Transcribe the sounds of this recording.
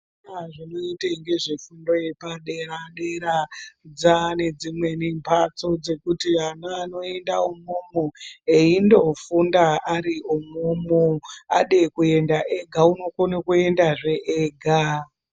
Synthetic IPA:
naʐino̞iteŋɡe̞ʐifundo̞je̞paɗe̞raɗe̞ɾad͡zane̞d͡zimwe̞nimpʰat͡so̞d͡ze̞kutianaːno̞e̞ndaumomoeindo̞fundaaɾiomomoa̰ɗekue̞ndaʔe̞ɡʱauno̞konakue̞ndaʐe̞ʔeːɡʱa

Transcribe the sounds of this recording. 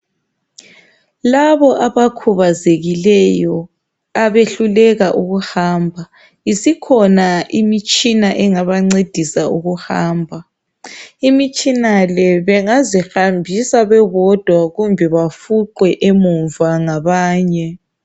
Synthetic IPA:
laβɔʔaβakʰuβazeɣilɛjɔ | aβeɬulɛɣaʔuɣuhaːmbʱa | isikʰɔnaʔimit͡ʃʼinaʔɛŋaβaŋ͡ǀed̥ʱisauɣuhaːmbʱa | imit͡ʃʼinalɛβɛŋazixambʱisaβɛβɔd̥ʱwaɣumbʱɛβafuǃwɛʔemuɱvaŋaβaːɲɛ

